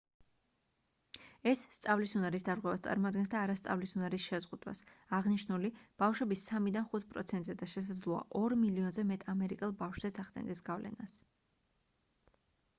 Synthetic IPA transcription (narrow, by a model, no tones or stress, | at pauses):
ɛsːt̪sʼavlisunaɾisd̪aɾʁwɛvast̪sʼa̰ɾmɔad̪̚ɡɛnsd̪aːɾast̪sʼa̰vlisunaɾisʃɛzʁud̪wa̰saʁniʃnulib̥afʃɛbisamid̪anχut̪̚ʰpʼɾɔ̰t̪sʰɛnt̪ʼzɛd̪aʃɛs̬ad̪zlˠɔa̰ʔɔɾmiliɔnzɛmɛt̪ʼamɛɾikʼɛlˠbafʃz̥ɛt̪sʰaχd̪ɛ̰nd̪ɛsɡavlʔɛ̰nas